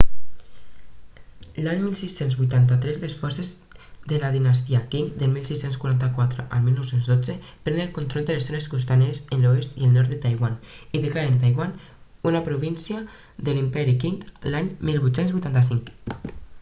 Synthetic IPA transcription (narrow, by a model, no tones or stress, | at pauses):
laɲmilˠsisːenzβujt̪ant̪at̪ɾɛzlesfɔɾsez | ðelaðinas̬t̪iakiŋd̪elmilsisːenskwuɾant̪akwat̪ɾeʔalmilnowsenzðod͡zepɾɛnelkunt̪ɾɔlˠd̪elezzoneskust̪aneɾezenloest̪ielnɔɾt̪et̪ajɣwaniðekaɾent̪ajɣwan | unapɾuβinsia | ðelimpɛɾikiŋlaɲmilβut̪senzβujt̪ant̪asiŋk